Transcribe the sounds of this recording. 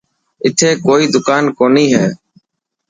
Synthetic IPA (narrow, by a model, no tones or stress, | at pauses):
ɪt̪ʰeːkoːiːd̪ʊkaːnkoːniːɦɛː